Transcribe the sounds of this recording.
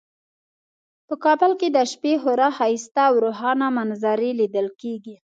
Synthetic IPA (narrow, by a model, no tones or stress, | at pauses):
pəkɑbəlked̪əʃpeɦʊɾɑhɑist̪aːwɾoɦɑnamanzaɾelid̪əlkeɡi